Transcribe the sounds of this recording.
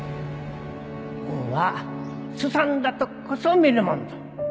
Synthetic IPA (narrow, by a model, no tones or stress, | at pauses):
uwasusand̪at̪okkʰːosomiɾɯmond̪o̥